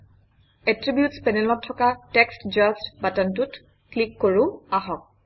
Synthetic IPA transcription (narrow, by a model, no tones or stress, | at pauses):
ɛtɹibjutspɛnɛlɔtʰːɔkatɛkstd͡ʒastbatantut | klikːoɹũaɦɔk̚